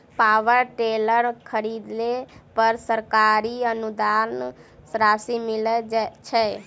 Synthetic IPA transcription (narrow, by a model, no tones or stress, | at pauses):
paːʋəɾʈeləɾkʰəɾid̪lepəɾsəɾkaːɾiənud̪ansɾaːsimɪlet͡ʃʰɛ